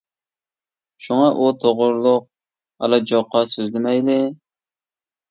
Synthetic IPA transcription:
ʃuŋɑʔut̪ʰoʁʊɾlˠʊq̚ | ɑ̰lˠɑd͡ʒoqːɑsøzlɪmɛjlɪ

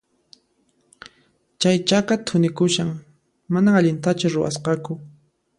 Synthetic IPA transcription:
t͡ʃajt͡ʃakat̪ʰʊnɪkʊʃaŋ | manaːʎɪnt̪at͡ʃʊɾʊwa̰sqɑkʊ

